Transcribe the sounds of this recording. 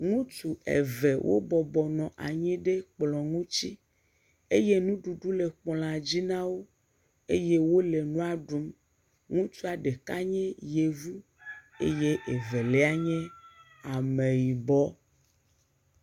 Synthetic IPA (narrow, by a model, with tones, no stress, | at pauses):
ŋũ˦tu˨ḛ˨ve˨wʔo̰˦bɔ˨bɔ˨nɔ̃˨ʔa˨ɲɛ̃˦ɖe˦k͡plɔ˨ŋũ˦t͡ɕi˦ | e˦je˦nũ˦ɖu˨ɖu˦le˨k͡pɔ˨lã˨d͡ʑi˦nã˦wo˦ | e˦je˦wo˦le˨nũ˦a˦ɖu˨m | ŋũ˦t͡ʃu˦a˨ɖe˨ka˦ɲɛ̃˦je˨vu˦ | ḛ˦je˦ʔe˨ve˨lɛ˦a˦ɲɛ̃˦ | a˨mẽ˨ji˨bɔ˦